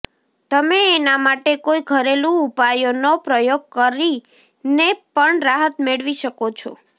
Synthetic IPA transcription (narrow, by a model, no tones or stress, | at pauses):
t̪əmeːnamaʈekoiɡʱəɾelũupajonopɾəjoɡ̚kəɾi | nepəɳɾaɦət̪meɭʋiʃəkot͡ʃʰo̰